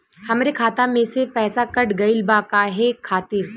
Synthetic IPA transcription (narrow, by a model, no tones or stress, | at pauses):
hɐmɾekʰaːt̪ãmẽsepɛːsakɐʈɡɐɪlbakaɦɛkʰaːt̪iɾ